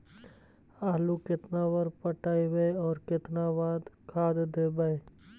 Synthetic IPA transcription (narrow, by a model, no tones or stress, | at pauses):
aːlukɪt̪naːʋəɾpəʈaːiʋeɔːɾkɪt̪naːʋaːd̪kʰaːd̪d̪eːbae